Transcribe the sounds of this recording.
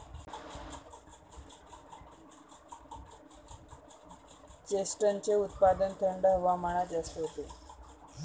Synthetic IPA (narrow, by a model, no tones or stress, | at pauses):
t͡ɕesʈənt͡ɕeut̪̚pad̪ənt̪ʰəɳɖəɦʋamaɽ̃at͡sast̪eɦot̪e